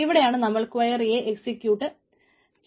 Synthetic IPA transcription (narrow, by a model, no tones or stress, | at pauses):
iʋiɽejaːɳɨnɐmːɐɭkuʋaːjɐrijːɐʔeksikʲjuːʈːɨ | t͡ɕ